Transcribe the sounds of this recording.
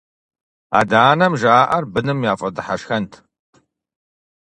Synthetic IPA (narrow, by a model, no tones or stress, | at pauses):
a̰ːdaːnɐmʒaːʔɐrbɨnɨmjaːfʼɐdɨħaʃxɐntʰ